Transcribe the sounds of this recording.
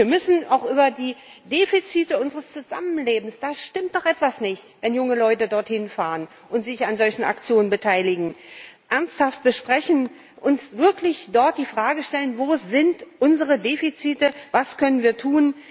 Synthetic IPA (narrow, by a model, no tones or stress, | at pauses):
viːɐmʏsn̩aʊxʔyːbɐdiːdeːfit͡siːtəʊnzəʁəst͡suza̰mənleːbm̩sd̥aːʃtɪmt̚d̥ɔχʔɛtv̥asnɪçtvɛnjʊŋəlɔʏtədɔɐthɪnfaːʁən | ʔʊntz̥ɪçanzɔlçn̩a̰kt͡sjoːnənbətʰaɪlɪɡŋ̩ʔɛɐnsthaft̚b̥əʃpʁ̥ɛçn̩ | ʔʊnsv̥ɪɐklɪçd̥ɔɐt̚d̥iːfʁ̥aːɡəʃtɛlənvoːzɪntʔʊnzəʁədeːfit͡siːtəvaskʰœnənviːɐtʰuːn